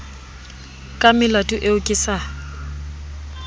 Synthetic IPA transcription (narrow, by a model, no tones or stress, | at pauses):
kʼamɪlatʼʊʔeʊkʼɪsa